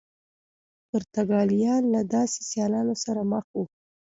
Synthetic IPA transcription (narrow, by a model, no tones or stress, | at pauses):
pʊɾt̪aɡɑlijɑnlad̪ɑse̥sjɑlɑnosaɾaməxu